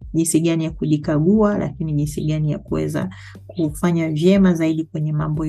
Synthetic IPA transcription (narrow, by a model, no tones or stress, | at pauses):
ʄinsiɠanijakuɗikaɠualʔa̰kiniʄinsiɠanija̰kuwɛ̰za̰ | kufaɲavjɛmazaiɗikwɛɲɛmambɔ